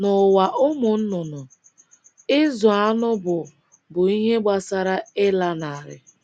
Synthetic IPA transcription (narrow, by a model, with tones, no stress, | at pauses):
nʊ˨wa˨ʔʊ˦mʊ˨n̩˦nʊ˨nʊ˨ | ɪ˦zʊ˨a˦nʊ˦bʊ˨ | bʊ˨i˦ɦe˦ɡ͡ba˨sa˦ɾa˦ɪ˦la˦na˨a˨ɾɪ̰˦